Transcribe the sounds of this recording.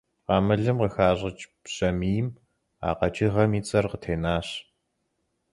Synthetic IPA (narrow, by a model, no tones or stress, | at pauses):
qɑːmɐɮɨmqəxaːɕʼɪt͡ʃʼpɕʼɐmiːm | a̰ːqɐt͡ʃʼiʁɐmiːt͡sʼɐrqətʰeːnaːɕ